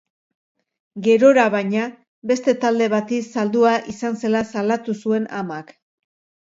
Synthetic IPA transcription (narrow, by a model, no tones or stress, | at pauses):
ɡe̞ɾo̞ɾaβajɲa | be̞st̪e̞t̪ald̪e̞β̞at̪isald̪uaʔisanse̞lasalat̪usue̞na̰mak